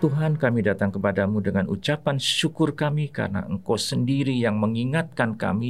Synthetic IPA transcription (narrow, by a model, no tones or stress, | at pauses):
t̪uɦankamidat̪aŋkəpadamudəŋanʔṵt͡ʃapanʃukʊrkamika̰rna̰ʔəŋkosəndiɾijaŋməŋiŋat̪̚kanka̰mi